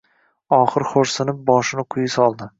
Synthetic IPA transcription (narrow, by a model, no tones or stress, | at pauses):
ɒχɨɾχoɾsɪnɪp̚bɒʃɪnɪqʰʊjɪsɒlˠd̪ɪ